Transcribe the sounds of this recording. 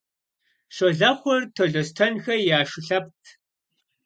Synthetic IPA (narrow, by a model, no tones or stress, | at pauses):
ʂɔɮɐχʷɔrtʰɐɮɐstʰɐnxɐjaːʂɪɬɐp̚tʰ